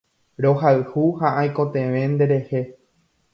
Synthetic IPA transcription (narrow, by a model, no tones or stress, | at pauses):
ɾo̞ɦaɨhuhaʔajko̞t̪ẽ̞ʋẽ̞nd̪e̞ɾe̞he̞